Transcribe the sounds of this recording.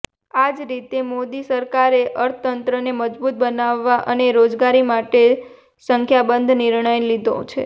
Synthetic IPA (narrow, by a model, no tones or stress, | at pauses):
ad͡ʒɾit̪emod̪isəɾkaɾeʔəɾt̪ʰət̪ənt̪ɾəneməd͡ʒbut̪̚bənaʋːaʔə̰neɾod͡ʒɡaɾimaʈe | səŋkʰjabənd̪ʱniɾɳəjlid̪õ̰t͡ʃʰḛ